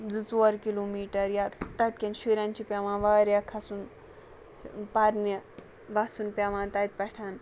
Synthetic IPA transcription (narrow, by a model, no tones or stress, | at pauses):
d͡zɨt͡soɐɾkilomiːʈɐɾjat̪ɐt̪̚ʲkʲɐnʃiɾant͡ʃipʲaʋãːnʋaːɾjakʰɐsun | paɾnɐ | ʋasunpʲaʋãːnt̪ɐt̪̚pɐʈʰaːn